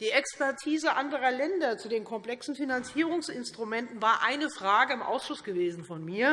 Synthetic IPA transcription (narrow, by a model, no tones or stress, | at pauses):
d̥iːɛkspɛɐtʰiːzəʔandəʁɐlɛndɐt͡sudeːnkʰɔmpl̥ɛksn̩finant͡siːʁʊŋsʔɪnstʁ̥umɛntn̩vaːɐʔaɪnəfʁ̥aːɡəɪmʔa̰ʊsʃʊsɡ̥əveːzn̩fɔnmiːɐ